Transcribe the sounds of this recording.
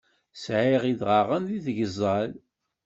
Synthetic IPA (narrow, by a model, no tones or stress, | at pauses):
sʕɪʁiðʁaʁənðiθʝəzˤːɑl